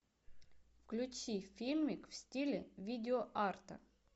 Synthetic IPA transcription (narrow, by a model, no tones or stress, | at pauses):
fklʲʉt͡ɕifʲilʲmʲɪkfsʲtʲilʲɪvʲidʲɪoʔart̪ə̰